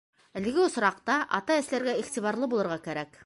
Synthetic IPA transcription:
ælɘ̆ɡɘŏsɾɑqt̪ɑʔɑt̪ɑɘ̆slæɾɡæiχt̪iβɑɾlˠɤbulˠɤ̆ɾʁɑkæɾæk

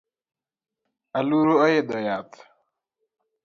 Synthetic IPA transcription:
aluɾoɔjed̪ɔjat̪

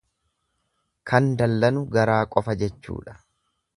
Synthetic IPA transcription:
kʰɐnd̪ɐlːɐnʊɡɐɾaːkʼɔfɐd͡ʒɛt͡ʃːṵːᶑɐ̥

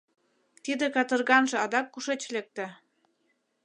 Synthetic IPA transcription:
t̪id̪ĕkɑt̪ɤ̆rɣɑnʒĕɑd̪ɑkːuʃet͡ɕlek̚t̪ĕ

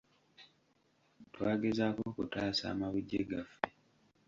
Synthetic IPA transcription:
twaːɡezakoːkutaːsa̰ːmaβuɟːeɡafːe

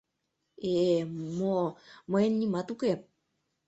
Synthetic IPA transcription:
emomoenːimat̪uke

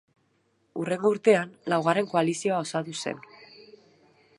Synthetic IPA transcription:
ure̞ŋɡouɾt̪e̞anlawɣ̞aɾe̞ŋko̞alisio̞ao̞sat̪use̞̰n

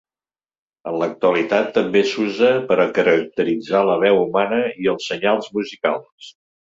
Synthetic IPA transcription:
ənlək̚t̪uəlit̪at̪ːəmbesuzəpəɾəkəɾək̚t̪əɾid͡zaləβ̞ɛwumanəiəlˠsːəɲalˠzmuzika̰lˠs

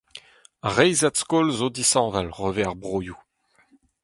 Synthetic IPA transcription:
ʁɛjzat̪skolzod̪isɑ̃ːvalʁøveaʁbʁoːju

